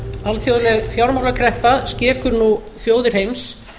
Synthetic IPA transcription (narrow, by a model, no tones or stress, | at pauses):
alθjoːwðlɛɣfjawɾmawlakʰɾɛhpascɛːɾkʏɾnu | θjoːwðɪɾ̥hejms